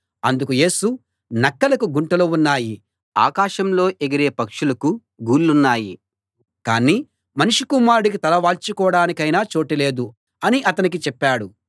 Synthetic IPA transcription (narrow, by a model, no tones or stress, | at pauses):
ɐnd̪ukuje̞ːsu | nɐkːɐlɐkuɡuɳʈɐlounːaːji | a̰ːkaːʃɐmlo̞ːʔeɡɐɾeːpɐkʂulɐku | ɡuːlːunːaːji | kaːniː | mɐnuʂikumaːɾuɽik̬it̪ɐlɐʋaːlt͡ʃikɔːɽaːnikɐjnaːt͡ʃo̞ːʈile̞ːd̪u | ɐniʔɐt̪ɐnik̬it͡ʃɛpːaːɽu